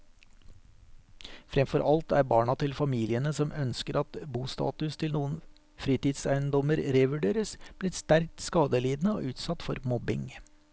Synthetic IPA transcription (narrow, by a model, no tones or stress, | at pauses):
fɾɛmfɔɾʔɑlt̪æːɾbɑːɳɑt̪ʰɪlfɑmiːlɪənəsɔmœnskəɾʔɑt̪buːst̪ɑ̰ːt̪ʉst̪ʰɪlnuːən | fɾiːt̪ɪːd̪sæɪənd̪ɔməɾɾeʋʉɖeːɾəsb̥lɪːst̪æɾk̚t̪skɑːd̪əliːd̪nəo̰ːʔʉːt̪sɑt̪fɔɾmɔbɪ̰ŋ